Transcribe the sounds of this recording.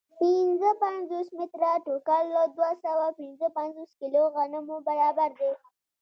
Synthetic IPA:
pɪnzəpanzosmɪt̪ɾaʈokalːod̪wasawapɪnzəpanzoskiloɣanəmobaɾɑbaɾd̪e

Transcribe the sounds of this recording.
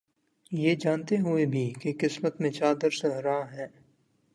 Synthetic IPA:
jeːd͡ʒaːnt̪eɦʊebʱikekɪsmət̪mẽt͡ʃaːd̪əɾsẽɦɾaɦɛ̃ː

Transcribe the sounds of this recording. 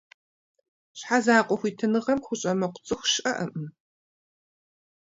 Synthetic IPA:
ɕħazaːqʷʼɔxʷiːtʰɨnɨʁɐmxʷʊɕʼɐmɐqʷʊ̥t͡sʼɨxɕʼɐʔɐʔɨ

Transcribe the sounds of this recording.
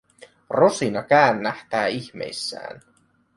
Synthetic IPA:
ro̞sinɑkæːnːæht̪æːiçme̞̰jsːæ̰ːn

